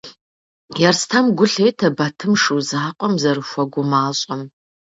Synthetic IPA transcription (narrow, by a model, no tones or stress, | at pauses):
jɛrstʰɐmɡʷʊɬeːtʰɐbɐtʰɨmʂɨwzaːqʷʼɔmzɐɾɨxʷɔɡʷʊmaːɕʼɐm